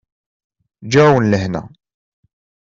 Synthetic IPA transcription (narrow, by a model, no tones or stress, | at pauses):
d͡ʒæwənləhnæ̰